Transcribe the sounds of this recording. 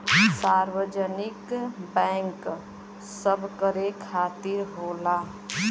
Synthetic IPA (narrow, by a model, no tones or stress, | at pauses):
saːɾwəd͡ʒənɪkbɛ̃ŋk | səbʱkəɾekʰaːt̪iɾɦoːla